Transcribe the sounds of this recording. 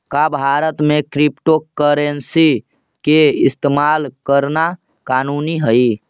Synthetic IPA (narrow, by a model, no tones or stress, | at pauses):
kabʱaɾət̪mekɾipʈokəɾensi | keist̪emalkəɾna | kanuniɦəj